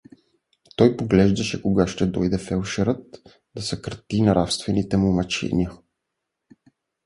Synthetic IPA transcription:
t̪ɔjpoɡlɛʒd̪ɐʃɛkoɡaʃt̪ɛd̪ɔjd̪ɛfɛlˠʃɛɾət̪̚ | d̪̥ɐsɛkɾt̪inaɾafst̪vɛnit̪ɛmomɐt͡ʃɛ̰nʲiə

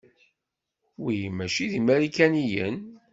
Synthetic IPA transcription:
wijmæʃiðimæɾikænijə̰n

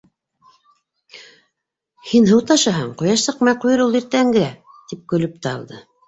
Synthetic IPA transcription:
hinɦɤwt̪ɑʃɑɦɑɴqujɑʃsɤ̆qmɑjqujɤɾulˠiɾt̪æŋɡɘ̆ɾæ | t̪ip̚kɵ̆lɵp̚t̪æɑ̰lˠd̪ɤ

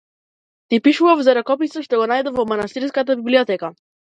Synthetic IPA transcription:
t̪ipiʃuvavzaɾakɔpisaʃt̪ɔɡɔnajd̪ɛvɔmanast̪iɾskat̪abibliɔt̪ɛka

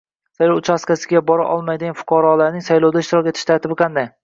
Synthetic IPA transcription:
sajlɒwt͡ʃʰaskʲasɪɡʲabɒɾa̰ʔɒlˠmajd̪ɪɡanfʊ̥qʰɑɾɒlaɾnɪŋsajlˠowd̪aɪʃt̪ɪɾɒkʲet̪ʰɪ̥ʃt̪ʰaɾt̪ʰɪbɪqʰɑnd̪aj

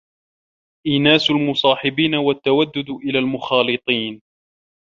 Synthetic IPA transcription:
ʔiːnaːsʊlmʊsˤɑːħɪbiːnawat̪ːawad̪ːʊd̪ʔɪlaːlmʊxɑːlɨt̪ˤiːn

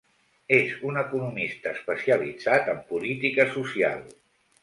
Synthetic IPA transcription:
ezunəkunumist̪əːspəsiəlid͡zat̪əmpulit̪ikəsusia̰lˠ

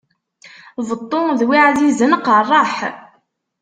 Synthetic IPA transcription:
vət̪ˤːoðwiʕðizənqərˤːɑħ

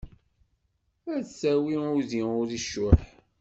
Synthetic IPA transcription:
æðsæwiʊðiʊɾiʃʊħ

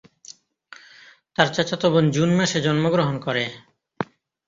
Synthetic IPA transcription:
t̪aɾt͡ɕat͡ɕat̪obond͡ʑunmaʃed͡ʑɔnmoɡɾoɦonkɔɾe

